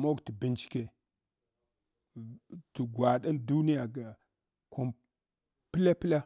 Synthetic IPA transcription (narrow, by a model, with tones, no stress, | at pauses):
mo˦ɡti˨bi˨nt͡ʃi̥˦ke˨ | ti˨ɡwa˨ɗa˦ndu˦ni˦ja˨ɡa˨ | kʰo˦m | pi˦la˦pi˦la˦